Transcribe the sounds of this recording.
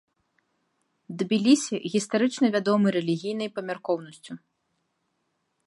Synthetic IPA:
d̪bʲilʲisʲiɣʲist̪aɾɨt͡ʂnɐvʲad̪ɔmɨɾɛlʲiɣʲijnɐjpɐmʲarkɔwnɐsʲt͡sʲu

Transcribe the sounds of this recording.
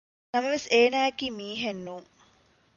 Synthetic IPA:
nɐmɐʋeseːnæːekiːmiːɦenːuːŋ

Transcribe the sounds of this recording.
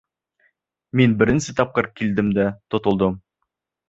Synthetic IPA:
minbɘ̆ɾɘ̆nsɘt̪ɑp̚qɤɾkild̪ɘmd̪æt̪ŏt̪ŏlˠd̪ɤm

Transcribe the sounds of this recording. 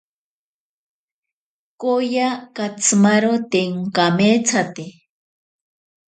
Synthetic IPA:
kojakat͡sʰmaɾot̪eŋkamet͡sʰat̪e

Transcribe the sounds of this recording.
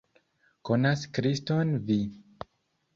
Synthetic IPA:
konaskɾistonvi

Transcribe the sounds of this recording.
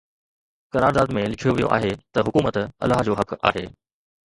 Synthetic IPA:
kɐɾaːɾd̪aːd̪mẽlɪkʰijoʋijo̰ʔa̰ːɦet̪ɐɦʊkuːmət̪ɐ̰lːaːɦd͡ʑoːɦɐka̰ːɦeː

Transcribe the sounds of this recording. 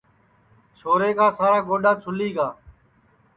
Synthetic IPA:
t͡ʃʰoːɾeːkaːsaːɾaːɡoːɖaːt͡ʃʰʊliːɡaː

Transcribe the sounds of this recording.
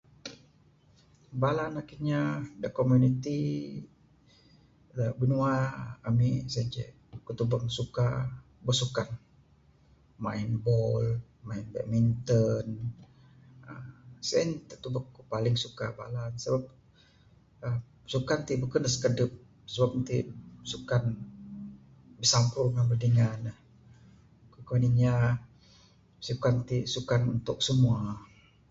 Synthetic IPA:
balanakiɲadəkomunit̪i | abənuaːmisɛnd͡ʒɛ̰ | kət̪ubaŋsuka | bəsukan | mainbɔl | mainbɛ̰ʔmint̪ən | əsənt̪ət̪ubakupalɪŋsuka̰ba̰lansəbap̚ | ə | sukant̪iʔbəkənəsə̥kədʊp̚ | səbap̚nt̪isukan | bəsampʊrŋanbərdəŋanəh | kukanina | sukant̪isukanunt̪ʊk̚səmua

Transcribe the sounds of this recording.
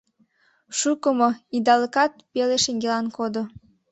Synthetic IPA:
ʃukəmoid̪ɑləkɑt̪̚peleʃeŋɡelɑnkod̪o

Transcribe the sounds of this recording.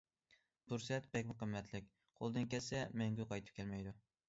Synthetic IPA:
t̪ʊɾsɛt̪bɛkʲmɨqɨmːɛt̪ʰlɪk̚ʲ | qʰo̰lˠd̪ɨnkʲesɛmɛŋɡʲʊqʰɑjt̪ʰɨ̥p̚kʲʰelmɛjd̪ʊ

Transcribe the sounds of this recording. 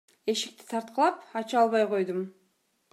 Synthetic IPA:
e̞ʃi̥k̚t̪i̥t̪ʰɑɾt̪̚qəlˠɑpɑt͡ʃɑlˠβɑjqo̞jd̪um

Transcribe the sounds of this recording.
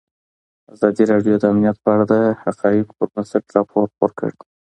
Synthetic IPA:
azɑd̪iɾɑɖjod̪əamnijat̪̚pəaɽad̪əhaqɑjɪqpəɾmasaʈɾɑpʰoɾo̰ɾkə̰ɽ

